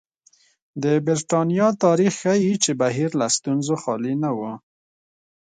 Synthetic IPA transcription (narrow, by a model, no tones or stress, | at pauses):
d̪əbɪɾʈɑnjɑt̪ɑɾixːajit͡ʃebaɦiɾlast̪unzoxɑlinawo